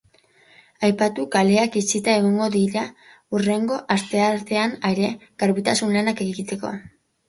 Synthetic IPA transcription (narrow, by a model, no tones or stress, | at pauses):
ajpat̪ukale̞akit͡sit̪ae̞ɣoŋɡo̞ðiɾa | ure̞ŋɡo̞ʔaɾt̪e̞aɾt̪e̞anaeɾe̞ɣ̥aɾβit̪asunlanake̞ɣiɣit̪e̞ko̞̰